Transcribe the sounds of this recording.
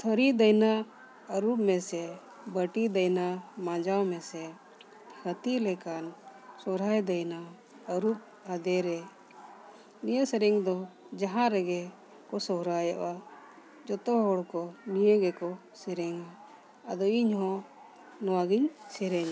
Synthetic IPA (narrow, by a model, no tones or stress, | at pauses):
t̪ʰɔɾid̪əjna | əɾup̚mɛsɛ | bəʈid̪əjnamãd͡ʒawmɛsɛ | hət̪ilɛkansɔɾajd̪əjna | əɾup̚ | ad̪ɛɾɛ | nijəsɛɾɛŋd̪ɔ | d͡ʒaɦãɾɛɡɛ | kɔsɔɦɾajaʔa | d͡ʒɔt̪ɔɦɔɽkɔnijəɡɛkɔ | sɛɾɛŋaː | d̪ɔiɲɦɔ̃ | nɔwaɡiɲsɛɾɛɲa